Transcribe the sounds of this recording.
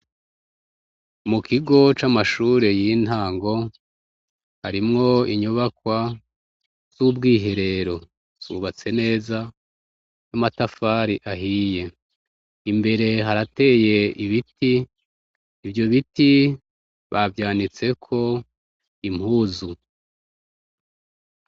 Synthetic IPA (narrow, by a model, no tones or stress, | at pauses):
mukʰiɡo̞t͡ʃamaʃuːɾe̞jin̥aːŋɡo̞ | haɾimŋo̞iɲoβakwa | z̥ubɡiːɦe̞ɾe̞ɾo̞ | z̥ṵβat͡se̞ne̞ːza | jamatafaɾiʔaɦije̞ | imbe̞ɾe̞ɦaɾate̞je̞iβitiː | vjo̞βiti | βavjaːnit͡se̞kʰo̞ | im̥huːzu